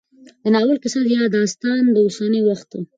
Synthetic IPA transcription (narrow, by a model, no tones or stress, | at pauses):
d̪ənɑwəlkɪsad̪jɑd̪ɑst̪ɑnd̪əʊsɑnəwaxt̪̚ːu